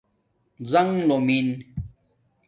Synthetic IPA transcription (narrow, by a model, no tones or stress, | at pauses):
zɐŋlomin